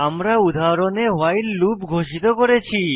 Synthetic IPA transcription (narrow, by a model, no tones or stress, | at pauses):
amɾaud̪ʱaɾonewajlːupɡʱoʃit̪okɔɾet͡ɕʰi